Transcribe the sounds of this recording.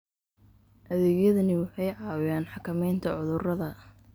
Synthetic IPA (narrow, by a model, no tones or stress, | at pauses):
ʔɐðɛːɣjɐðɐnɪwɑħɑjʕɑːwjaːnħɑkʰɐmɛjnt̪ʰɐʕʊðʊrɐðɐ